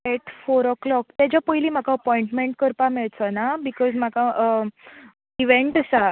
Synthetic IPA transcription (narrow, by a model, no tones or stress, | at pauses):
ɛʈfoɾəklɔkt̪jat͡ɕapəjliːm̤akaəpɔĩɳʈmeɳʈkəɾpameɭt͡sɔnabikɔzm̤aka | iʋẽɳʈəsa